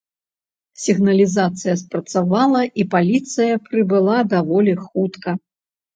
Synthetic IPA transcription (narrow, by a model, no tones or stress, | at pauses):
sʲiɣnɐlʲizat̪sɨjɐspɾɐt̪savalˠɐʔipalʲit̪sɨjɐpɾɨbɨlˠad̪avɔlʲixut̪kɐ